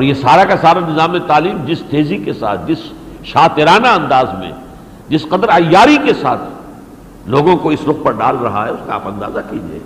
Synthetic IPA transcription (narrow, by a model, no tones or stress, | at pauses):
ɔːɾjesaːɾakasaːɾanɪzaːmet̪aːliːmd͡ʒɪst̪eːzikesa̰ːt̪̚ʰd͡ʒɪs | ʃaːt̪ɪɾaːnaɐ̃nd̪aːzmḛ̃ | d͡ʒɪsqɐd̪əɾaːjaːɾikesa̰ːt̪ʰ | loːɡõkoɪsɾʊq̚pɐɾɖa̰ːlɾɐɦaɦɛʊskaaːpɐ̃nd̪a̰ːzakid͡ʒiḛː